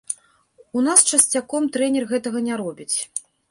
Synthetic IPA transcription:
unast͡ʂɐsʲt͡sʲakɔmt̪ɾɛnʲɛrɣɛt̪ɐɣɐnʲaɾɔbʲit͡sʲ

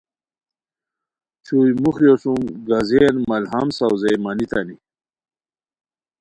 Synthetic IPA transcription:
t͡ɕʰujmuxjosumɡazenmɐlhɐmsawzejmanit̪ani

